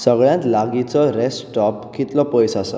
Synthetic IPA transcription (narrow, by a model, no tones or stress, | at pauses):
səɡɭjãt̪laɡit͡sɔɾɛsʈɔpkit̪lɔpəjsasə̰